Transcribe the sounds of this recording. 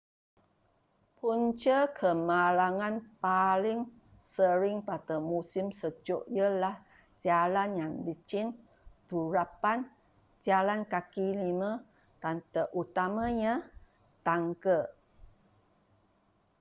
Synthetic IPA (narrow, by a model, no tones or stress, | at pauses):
punt͡ʃəkʰəmalaŋanpalɪŋ | səɾɪŋpat̪əmusimsəd͡ʒoʔjəlah | d͡ʒalanjaŋdit͡ʃɪn | t̪uɾapan | d͡ʒalankakilimə | t̪ant̪əʔut̪amaɲə̃ | t̪aŋkə